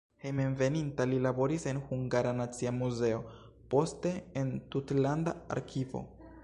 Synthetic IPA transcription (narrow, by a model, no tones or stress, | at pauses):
hejmenve̞nintalilabo̞ɾise̞nhuŋɡaɾanat͡siamuze̞o̞ | po̞ste̞entutlanda̰a̰ɾkʰivo̞̰